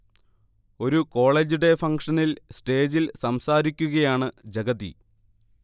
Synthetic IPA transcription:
o̞ɾuko̞ːɭe̞ːd͡ʑuɽe̞fɐŋkʂɐnilsʈe̞ːd͡ʑilsɐmsaːɾikʲːuɣɐjaːɳɨd͡ʑeɡɐðḭ

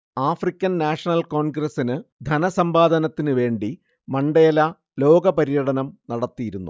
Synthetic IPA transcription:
aːfrikʲːɐnnaːʂɐnɐlko̞ːnɡɾɐsinɨd̪ʱɐnɐsɐmbaːd̪ʱɐnɐt̪ːinɨʋe̞ːɳɖi | mɐɳɖeːlɐ | lo̞ːɡɐpɐɾijɐɽɐnɐmnɐɽɐt̪ːijiɾunːu

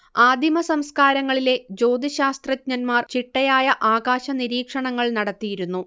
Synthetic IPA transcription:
aːd̪ʱimɐsɐmskaːɾɐŋːɐɭile̞d͡ʑo̞ːd̪iɕaːst̪rɐtɲɐnmaːrt͡ɕiʈːɐjaːjɐʔaːɡaːɕɐniɾiːkʂɐɳɐŋːɐɭnɐɽɐt̪ːijiɾunːu

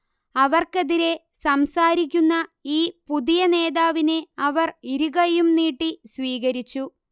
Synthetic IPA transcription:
ɐʋɐrkeðiɾe̞ | sɐmsaːɾik̬ʲːunːɐiːpuðijɐne̞ːðaːʋine̞ɐʋɐriɾuɣɐjumniːʈːisʋiːɣɐɾit͡ɕːu

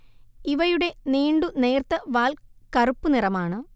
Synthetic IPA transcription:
iʋɐjuɽe̞neːɳɖune̞ːrt̪ɐʋaːlkɐrupːunirɐmaːɳɨ

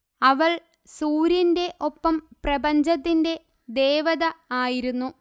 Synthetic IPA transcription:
ɐʋɐɭ | suːɾjɐnde̞ʔo̞pːɐmprɐbɐɲd͡ʑɐt̪̬ːinde̞ | d̪e̞ːʋɐðɐaːjiɾunːu

